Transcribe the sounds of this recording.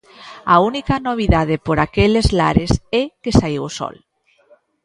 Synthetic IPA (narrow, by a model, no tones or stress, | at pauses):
aunikanoβ̞iðað̞epoɾakelezla̰ɾesekesaiwoso̰l